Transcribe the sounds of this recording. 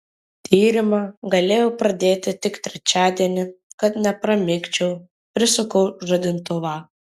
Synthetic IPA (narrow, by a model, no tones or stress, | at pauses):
t̪ʲiːɾʲɪmɑɡɐlʲeːjɛʊpɾɐd̪ʲeːt̪ʲɪt̪ʲɪkt̪ʲɾʲɛt͡ʃʲæːd̪ʲiɛnʲɪkɐt̪nʲɛpɾɐmʲɪkʲt͡ʃʲɛʊ | pʲɾʲɪsʊkɐʊʒɐd̪ʲɪnt̪ʊʋɑː